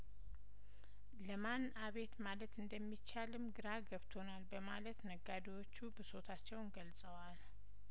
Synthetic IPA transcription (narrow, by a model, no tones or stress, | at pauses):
ləman | aβe̞t̪malət̪ɨnd̪əmːit͡ʃːalɨmɡɨɾaɡəβt̪ʰo̞nalbəmalət̪nəɡːad̪iwo̞t͡ʃːubəso̞t̪ʰat͡ʃːɛwnɡəlsʼəwal